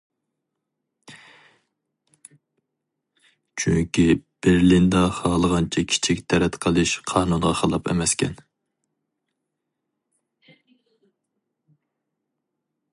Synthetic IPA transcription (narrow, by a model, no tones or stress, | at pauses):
t͡ʃʰyŋkʲib̥eɾlind̪ɑχɑːlˠəʁɑnt͡ʃʰɛkʲʰi̥t͡ʃʰikʲt̪ʰɛɾɛt̪qʰəlˠɨʃqʰɑːnunʁɑχɑlˠɑpɛ̰mɛskʲʰɛ̰n